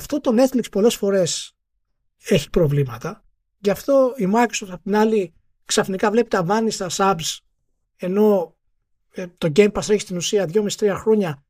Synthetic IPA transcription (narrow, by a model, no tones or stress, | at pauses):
ft̪o̞t̪o̞net̪likspo̞le̞sfo̞ɾe̞s | e̞çi̥pɾo̞vlimɐt̪ɐ | cɐft̪o̞imuɐksosɐpot̪inɐli | ksɐfnikɐvle̞pit̪ɐvɐnist̪ɐsɐbs | e̞no̞ | t̪o̞ɟempɐsɾeçist̪inusiɐðʝo̞misi̥t̪ɾiɐxɾo̞ɲɐ